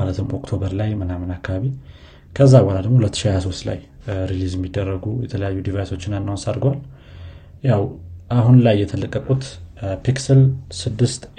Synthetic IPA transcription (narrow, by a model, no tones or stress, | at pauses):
alət̪ʰɨmo̞̰kt̪ʰo̞βəɾlajmənamənakːaβaβi | kʰəzːabalad̪əɡmohulət̪ːɨ̥ʃihajaso̞st̪la̰j | ɾilizɛmːid̪ːərːəɡujɛt̪ʰələjajːud̪ivajso̞t͡ʃːɪnanːawnsaɾɡwal | jawʔaɦunlajːɛt̪ʰələkʼːəkʼut̪piksəlsɨd̪ːɨst̪